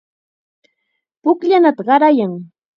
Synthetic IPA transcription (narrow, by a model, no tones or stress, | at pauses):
pʊkʎanat̪aɢɑɾajaŋ